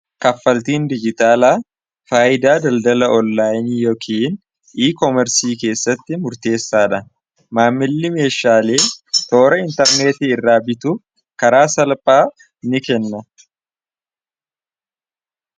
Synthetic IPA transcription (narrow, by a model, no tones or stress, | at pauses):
kɐfːɐlt̪iːnd̪ɪd͡ʒɪt̪aːlaː | faːʔɪd̪aːd̪ɐld̪ɐlɐʔɔnːaːjnijoːkʰiːn | ʔiːkɔmɛɾsiːke̞ːsːɐt̪ːɪmʊɾt̪e̞ːsːaːᶑɐ | maːmːɪlːɪme̞ːʃaːleːt̪o̞ːɾɐɪnt̪ɐɾneːt̪ɪɪrːaːbɪt̪ʊ | kɐɾaːsɐlpʼaː | nɪkɛnːɐ